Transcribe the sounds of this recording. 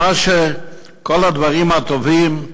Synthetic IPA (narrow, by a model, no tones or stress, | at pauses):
aʃe | kolad̪vaʁimat̪ovim